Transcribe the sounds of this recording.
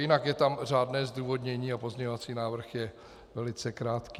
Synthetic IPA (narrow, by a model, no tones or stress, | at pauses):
jɪnakjɛt̪amr̝aːdnɛːzduːvo̞dɲɛɲiːapozɲɛɲovat͡siːnaːvr̩xjɛ | vɛlɪt͡sɛkɾaːt̪kiː